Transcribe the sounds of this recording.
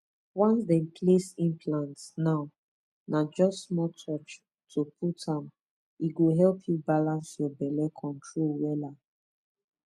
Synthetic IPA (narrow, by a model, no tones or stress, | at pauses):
wãnsdɛ̃npʰlesĩmpʰlãntnaʊ | nad͡ʒɔstsmɔtʰɔt͡ʃ | tʰoputãm | iɡoɦɛlpʰjubalãnsjɔbɛlɛkʰɔ̃ntʰɹolwɛla